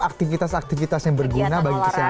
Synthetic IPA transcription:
ak̚t̪ifit̪asak̚t̪ifit̪asjaŋbərɡunabaɡikəsi

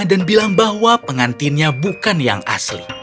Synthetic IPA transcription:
danbilaŋbaɦwapəŋant̪inɲabukanja̰ŋʔa̰slḭ

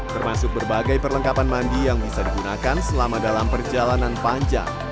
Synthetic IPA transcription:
t̪ərmasʊk̚bərbaɡajpərləŋkapanmandijaŋbisadiɡunakansəlamadalampərd͡ʒalananpaɲd͡ʒa̰ŋ

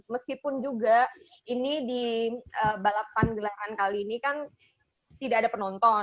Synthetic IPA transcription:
məskipʊnd͡ʒuɡa | inidiəbalapanɡəlaɾankaliːnikan | t̪idaʔːdapənɔnt̪ɔ

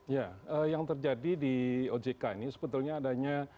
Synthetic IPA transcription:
jaəjaŋt̪ərd͡ʒadidiod͡ʒekainisəbət̪ulɲaːdaɲa

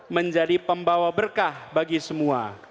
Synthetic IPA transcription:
məɲd͡ʒadipəmbawabərkahbaɡisəmua

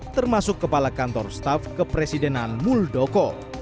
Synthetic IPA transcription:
t̪ərmasʊkːəpalakant̪ɔrst̪afkəpɾesidɛnanmuldɔkɔ

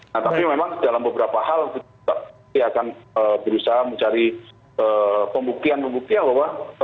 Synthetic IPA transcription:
nat̪apimemaŋdalambəbəɾapahalt̪i | a | iakanəbəɾusaɦaməɲt͡ʃaɾi | əːpəmbuk̚t̪ianpəmbuk̚t̪ianbawa

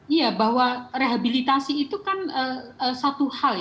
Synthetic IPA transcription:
ijabahwareɦabilit̪asiːt̪ukanəəsat̪uhal

